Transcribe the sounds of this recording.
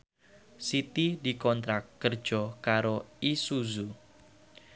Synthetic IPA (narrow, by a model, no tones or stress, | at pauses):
sit̪idi̤kɔnt̪ɾakːər̥ʒ̥ɔkaɾoisuzu